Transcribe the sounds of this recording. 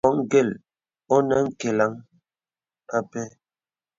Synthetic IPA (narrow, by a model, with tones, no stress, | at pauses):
ɔ˨˦ŋɡe˦˨l | o˦nɛ˦ŋ̩˦ke˨la˨˦ŋ | a˦pɛ˦